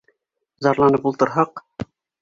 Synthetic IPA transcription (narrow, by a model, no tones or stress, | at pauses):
zɒɾlˠɑnɤpulˠt̪ɤ̆ɾɦɑq